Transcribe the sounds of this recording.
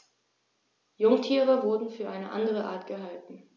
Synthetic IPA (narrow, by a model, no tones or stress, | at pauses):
jʊŋtʰiːʁəvʊɐdn̩fyːɐʔaɪnəʔa̰ndəʁ̞əʔa̰ːɐtɡ̥əɦaltn̩